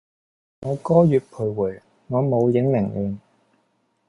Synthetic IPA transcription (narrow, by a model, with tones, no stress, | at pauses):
ŋɔː˨˧kɔː˥jyː˨˧t̚pʰu˨˩wuː˨˩j | ŋɔː˨˧mo˨˧wjɪ˨˥ŋmɪ˨˩ŋliː˨˧n